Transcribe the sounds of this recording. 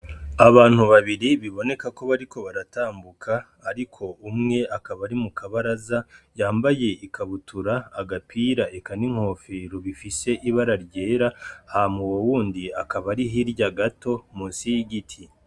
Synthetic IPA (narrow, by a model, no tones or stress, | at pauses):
aβaːn̥uβaβiɾiβiβo̞ne̞kako̞βaɾiko̞βaɾataːmbukʰaː | ɾikʰo̞umŋe̞ʔakaβaɾimukʰaβaɾazajaːmbaje̞ikʰaβutuɾaːɡapiɾaʔekaniŋ̥ho̞ːfiɾoβifise̞ʔiβaɾaɾɟe̞ːɾahamuwowuːndiakaβaɾiɦiɾɟaɡato̞musiɡitʰi